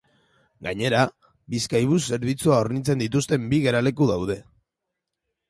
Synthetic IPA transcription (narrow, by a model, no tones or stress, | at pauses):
ɡaɲe̞ɾa | βiskajβ̞use̞ɾβ̞it͡suao̞ɾnit͡se̞nd̪it̪ust̪e̞mbiɣe̞ɾale̞kuðawðe̞